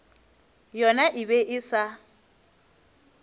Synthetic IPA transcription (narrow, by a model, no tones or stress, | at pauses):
jɔnaʔɪbɛʔɪsa